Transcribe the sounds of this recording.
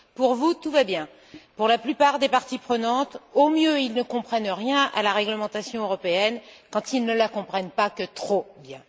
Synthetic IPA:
puʁvut̪uvabjɛ̃ | puʁlaplypaʁd̪epaʁt̪ipχənɑ̃t̪omjøilnəkɔ̃pχɛnʁjɛ̃a̰laʁɛɡləmɑ̃t̪asjɔ̃øʁɔpeɛnkɑ̃t̪ilnəlakɔ̃pχɛnpakət̪χobjɛ̃

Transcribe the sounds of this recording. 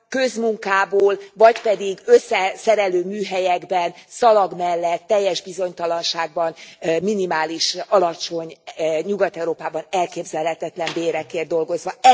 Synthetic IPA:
kø̞zmuŋkaːboːlvɒcpɛd̪iɡøsːɛsɛɾɛløːmyːɦɛjɛɡbɛnsɒlɒɡmɛlːɛt̪ːɛjːɛʒbizo̞ɲt̪ɒlɒnʃaːɡ̚bɒnminimaːliʃɒlɒt͡ʃo̞ɲɲuɡɒt̪ɛuɾoːpaːbɒnɛlkeːbzɛlɦɛt̪ɛt̪lɛmbeːɾɛkeːrd̪o̞lɡo̞zʋɒɛ

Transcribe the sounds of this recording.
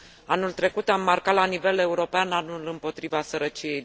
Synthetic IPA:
anult̪ɾe̞kut̪amːarkat̪lanive̞le̞uɾo̞peananulɨmpo̞t̪ɾivasəɾət͡ʃije̞j

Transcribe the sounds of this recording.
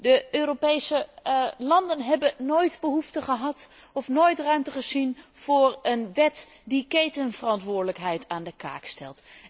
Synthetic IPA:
dəøːropejsəlɑndənɦɛbənojtbəɦuftəχəɦɑtɔfnojtrœɥmtəχəzinv̥ʊːrənʋɛt | dikejtənvərɑntʋʊːɹdələkɦɛjtaːndəka̰ːkstɛ̰lˠt

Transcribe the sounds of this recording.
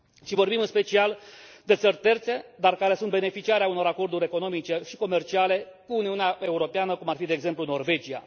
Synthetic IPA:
ʃivo̞rbimɨnspe̞t͡ʃiald̪e̞t̪sərʲt̪e̞rt̪se̞d̪arkaɾe̞sunt̪be̞ne̞fit͡ʃiaɾeauno̞ɾako̞rd̪uɾʲe̞ko̞no̞mit͡ʃe̞ʃiko̞me̞rt͡ʃiale̞kuːniuneaʔe̞uɾo̞peanəkumarfid̪eeɡze̞mpluno̞rve̞d͡ʒija̰

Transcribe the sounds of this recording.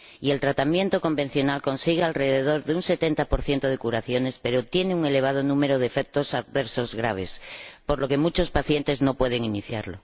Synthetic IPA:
ie̞lt̪ɾat̪amjẽ̞nt̪oko̞mbe̞n̟θjo̞nalko̞nsiɣealreðeðo̞ɾðeunŋse̞t̪e̞nt̪apoɾθje̞nt̪oð̞e̞kuɾaθjo̞ne̞spe̞ɾot̪je̞neuŋe̞le̞β̞að̞onũme̞ɾoð̞efek̚t̪osaðβeɾsozɣɾa̰β̞espo̞ɾlo̞ke̞mut͡ʃo̞spaθje̞nt̪e̞zno̞pwe̞ð̞eŋiniθja̰ɾlo̰

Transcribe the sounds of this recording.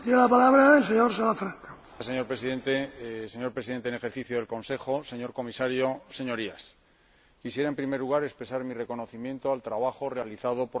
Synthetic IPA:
t̪jenelapalaβɾaelseɲoɾsalafɾaŋka | se̞ɲo̞ɾpɾesiðe̞nt̪e̞seɲo̞ɾpɾesiðent̪ene̞xe̞ɾθiθjoðe̞lko̞nse̞xo̞se̞ɲo̞ɾko̞misaɾjo̞se̞ɲo̞ɾias | kisje̞ɾaempɾime̞ɾluɣaɾe̞kspɾe̞saɾmire̞ko̞no̞θimjẽ̞nt̪oalt̪ɾaβaxo̞re̞aliθað̞o̞po

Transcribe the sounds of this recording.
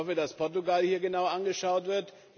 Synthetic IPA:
ɔfədaspʰɔɐtuɡalhiːɐɡənaʊʔanɡəʃaʊtv̥ɪɐt

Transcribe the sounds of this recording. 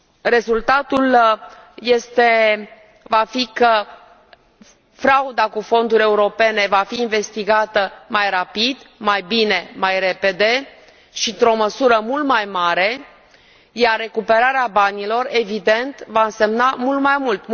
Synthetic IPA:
re̞zult̪at̪ul | je̞st̪e̞ | vafikə | fɾaud̪akufo̞nd̪uɾʲe̞uɾo̞pe̞ne̞vafiːnve̞st̪iɡat̪əmajrapid̪majbine̞majɾe̞pe̞d̪e̞ | ʃint̪ɾo̞məsuɾəmult̪majmaɾe̞ | jarːe̞kupe̞ɾaɾeabanilo̞re̞vid̪e̞nt̪vaɨnse̞mnamult̪majmult̪

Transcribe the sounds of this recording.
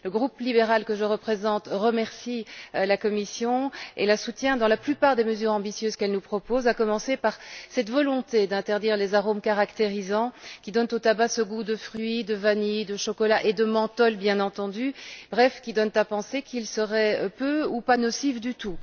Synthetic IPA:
ləɡʁuplibeʁalkəʒəʁəpχezɑ̃t̪ʁəmɛʁsilakɔmisjɔ̃ḛlasut̪jɛ̃d̪ɑ̃laplypaʁd̪eməzyːʁɑ̃bisjøzkɛlnupχɔpozakɔmɑ̃sepaʁsɛt̪vɔlɔ̃t̪ed̪ɛ̃t̪ɛʁd̪iʁlezaʁomkaʁakt̪eʁizɑ̃kʲid̪ɔnt̪ot̪abasəɡud̪əfχɥid̪əvanid̪əʃɔkɔlaʔed̪əmɑ̃t̪ɔlbjɛ̃nɑ̃t̪ɑ̃d̪ybʁɛfkʲid̪ɔnt̪apɑ̃sekilsəʁɛpøupanɔsifd̪yt̪u

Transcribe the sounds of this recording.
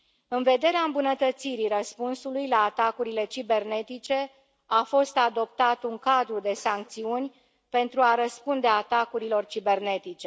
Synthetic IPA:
ɨnve̞d̪e̞ɾeaɨmbunət̪ət̪siɾirəspunsulujlaːt̪akuɾile̞t͡ʃibe̞rne̞t̪it͡ʃe̞ | afo̞st̪ad̪o̞p̚t̪at̪uŋkad̪ɾud̪e̞saŋk̚t̪siunʲ | pe̞nt̪ɾuaɾəspund̪e̞at̪akuɾilo̞rt͡ʃibe̞rne̞t̪it͡ʃe̞

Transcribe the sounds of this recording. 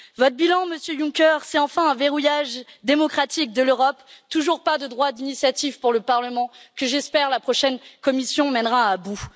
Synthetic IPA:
vɔt̪χbilɑ̃məsjøjũkʲœʁsɛt̪ɑ̃fɛ̃ɛ̃veʁujaʒd̪emɔkχat̪ik̚d̪əløʁɔpt̪uʒuʁpad̪əd̪ʁwad̪inisjat̪ivpuʁləpaʁləmɑ̃kəʒɛspɛʁlapχɔʃɛnkɔmisjɔ̃mɛnʁaabu

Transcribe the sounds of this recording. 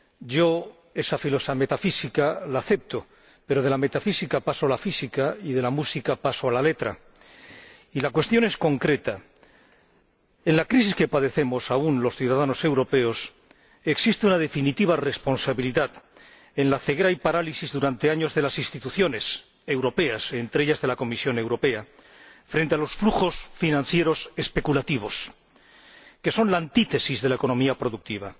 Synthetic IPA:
ɟ͡ʝo̞ | e̞safilo̞same̞t̪afisikalaːθe̞p̚t̪o̞ | pe̞ɾo̞ð̞e̞lame̞t̪afisikapasoalafisikaiðe̞lamusikapasoalale̞t̪ɾa̰ | ilakwe̞st̪jo̞ne̞sko̞ŋkɾe̞t̪a | e̞nlakɾis̬iske̞paðe̞θe̞mo̞saunlo̞sθjuðaðano̞se̞wɾo̞pe̞o̞s | e̞ksist̪eunað̞e̞finit̪iβare̞spo̞nsaβiliðað | e̞nlaθeɣeɾajpaɾalisizðuɾant̪e̞aɲo̞zðe̞lasinst̪it̪uθjo̞ne̞s | e̞wɾo̞pe̞ase̞nt̪ɾeeʎazðe̞lako̞misjo̞ne̞wɾo̞pe̞a | fɾe̞nt̪e̞alo̞sfluxo̞sfinãn̟θje̞ɾo̞se̞spe̞kulat̪iβ̞o̞s | ke̞so̞nlaːnt̪it̪e̞sizðelaeko̞no̞miapɾo̞ðuk̚t̪iβ̞a̰

